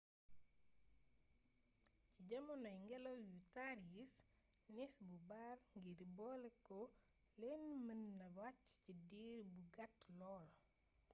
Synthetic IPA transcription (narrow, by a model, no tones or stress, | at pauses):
ciɟɐmɔnɔjŋɡɛlojutaɾis | nisbubarŋɡiɾibɔlɛko | lenmənːɐwat͡ʃcidiɾbuɡatlɔl